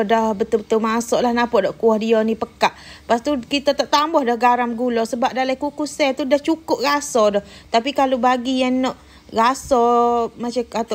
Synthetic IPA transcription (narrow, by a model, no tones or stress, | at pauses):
dahbət̪ubət̪ulmasɔʔlahnapɔʔdɔʔkuɔhdiɔnipəkaʔpast̪ukit̪at̪ɔʔt̪ambɔhdɔhɡaɾamɡulɔsəbap̚dalaikukusɛt̪udaht͡ʃukʊp̚rasɔdɔht̪apikalubaɡijanːɔʔ | ɡasɔmat͡ʃaat̪